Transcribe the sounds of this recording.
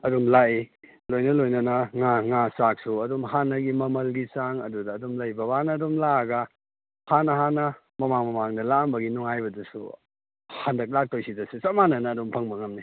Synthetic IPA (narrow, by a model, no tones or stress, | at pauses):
ɐdumlai | lojnɐlojnɐnɐŋaŋasak̚suɐdumɦanːɐɡimɐmɐlɡisaŋɐdudɐːdumlɐjbɐβanɐːdumlaɐɡɐ | hanɐɦanɐ | mɐmaŋmɐmaŋdɐlambɐɡinuŋajbɐdɐsṵ | handɐk̚lak̚tojsidɐsusɐmanɐnɐːdumpʰɐŋbɐŋɐmni